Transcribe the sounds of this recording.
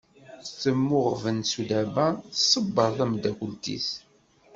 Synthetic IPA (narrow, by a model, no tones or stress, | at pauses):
θəmːʊʁvənsud̪æbæθsˤəbːəɾˤθæmd̪ækəlt̪ḭθ